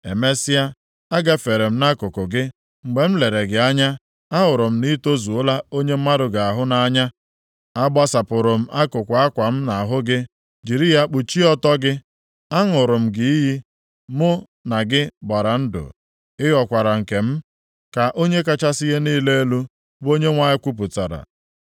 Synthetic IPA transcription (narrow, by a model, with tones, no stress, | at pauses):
ḛ˨me˦sɪ˦a˦ | a˦ɡa˦fe˨ɾe˨m̩˦na˦kʊ˨kʊ˨ɡɪ˦ | ŋ͡m̩˨ɡ͡be˨m̩˦le˨ɾe˨ɡɪ˨˦a˦ɲa˦ | a˦ɦʊ˨ɾʊ˨m̩˦ni˦to˦zu˨o˦la˦o˦ɲe˦m̩˦ma˦dʊ˨ɡa˨a˨ɦʊ˦na˨a˦ɲa˦ | a˦ba˦sa˨pʊ˨ɾʊ˨m̩˦ʔa˦kʊ˨kʷa˦kʷa˨m̩˦na˨ɦʊ˦ɡɪ˦ | d͡ʒi˨ɾi˦ja˦k͡pu˨t͡ʃi˦ɔ˦tɔ˦ɡɪ˦ | a˦ŋʊ˨ɾʊ˨m̩˦ɡɪ˦i˦ɦi˦ | mʊ˦ | na˨ɡɪ˦ba˨ɾa˨n̩˦dʊ̰˨ | ɪ˦ɣɔ˦˨kʷa˨ɾa˨ŋ̩˨ke˨m̩˦ | ka˨ʔo˦ɲe˦ka˦t͡ʃa˦si˦ɣe˦niː˦le˦e˦lu˦ | bo˦ɲe˦ŋʷa˦ɪ˦kʷu˦p̬ʊ˨ta̰˨ɾa̰˨